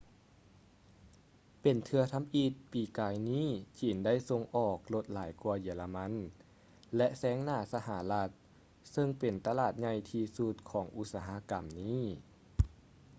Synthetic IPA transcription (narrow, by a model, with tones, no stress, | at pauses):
pe˨˩nt̪ʰɯ˧ɐt̪ʰa˧˥mʔiː˧˩t̪̚piː˨˩kaː˨˩jniː˥˩˨t͡ɕiː˨˩nda˥˩jso˧ŋʔɔː˨˩k̚lo˧t̪̚laː˩˦jku˧ɐjiː˨˩˦la˧ma˧˥n | lɛ˧ʔsɛː˧˥ŋnaː˧˩sa˧ɦa˩˦la˧t̪̚ | sɤ˧ŋpe˨˩nt̪a˧laː˨˩t̪̚ɲa˧jt̪ʰiː˧su˧t̪̚kʰɔː˩˦ŋʔu˧˥t̪̚saː˧ɦa˧˥ka˨˩mniː˥˩˨